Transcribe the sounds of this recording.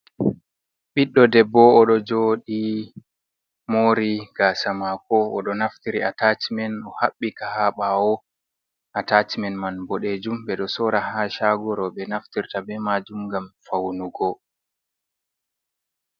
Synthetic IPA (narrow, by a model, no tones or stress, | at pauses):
ɓiɗːɔdɛbːɔːɗɔd͡ʒoːɗi | moːɾiɡ̥aːsamakɔɔ̰ɗɔnaftiɾiatat͡ʃimɛnɔhaɓːikahaɓawɔ | ʔatat͡ʃimɛnmanbɔɗed͡ʒumbɛɗɔsɔɾahaʃaɡɔɾɔɓɛnaftiɾtabɛmad͡ʒumɡamfawnuɡɔ